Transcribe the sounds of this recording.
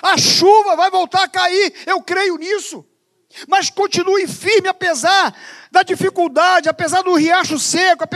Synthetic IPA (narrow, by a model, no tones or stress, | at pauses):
ɐʃuvɐvajvowt̪aɾakaiɾewkɾejʊnisʊ | mɐskõt͡ʃĩnuĩfiɾmɪapezaɾd̪ɐd͡ʒifikuwd̪ad͡ʒɪapezaɾd̪ʊhiaʃʊsekʊap